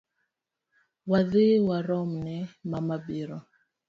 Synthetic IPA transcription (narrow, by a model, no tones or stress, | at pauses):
waðiwaɾɔmnɛmamabiɾɔ